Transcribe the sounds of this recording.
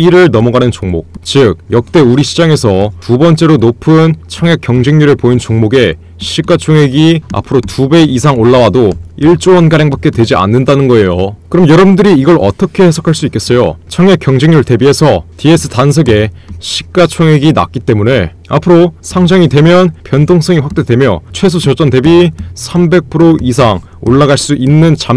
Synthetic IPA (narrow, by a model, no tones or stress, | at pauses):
iɾɯɭnʌmʌɡanɯnt͡ɕoŋmok̚t͡ɕɯk̚jʌk̚t͈e̞uɾiɕʰi̥d͡ʑaŋe̞sʰʌtubʌnt͡ɕ͈e̞ɾonopʰɯnt͡ɕʰʌŋjak͈jʌŋd͡ʑeŋɲuɾɯɭpoint͡ɕoŋmoɡe̞ | ɕʰik̚k͈at͡ɕʰoŋɦe̞ɡia̰pʰɯɾotube̞isʰaŋoɭːawadoiɭt͡ɕ͈owʌnɡaɾjaŋbak͈e̞twe̞d͡ʑia̰nːɯndanɯnɡʌe̞jokɯɾʌmjʌɾʌbundɯɾiːɡʌɭʔʌ̰t͈ʌkʰe̞hesʰʌkʰaɭs͈uik͈e̞s͈ʌjo̰t͡ɕʰʌŋekjʌŋd͡ʑeŋɲuɭte̞biɦe̞sʰʌtie̞sʰɯ̥tans̬ʰʌɡe̞ɕʰi̥k͈at͡ɕʰoŋɦe̞ɡina̰k͈it͈e̞mune̞ | a̰pʰɯɾosʰaŋd͡ʑaŋidwe̞mjʌnpjʌntʰoŋs͈ʌŋiɸwak̚t͈e̞dwe̞mjʌ̰t͡ɕʰwe̞s̬ʰot͡ɕʌt͡ɕ͈ʌnde̞bisʰambe̞k̚pʰɯɾois̬ʰaŋ | o̰ɭːaɡaɭs͈uʔinːɯnt͡ɕam